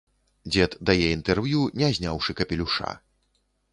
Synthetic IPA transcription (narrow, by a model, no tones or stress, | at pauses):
d͡zʲɛt̪d̪ajɛint̪ɛrvjunʲɛzʲnʲawʂɨkɐpʲɛlʲuʂa̰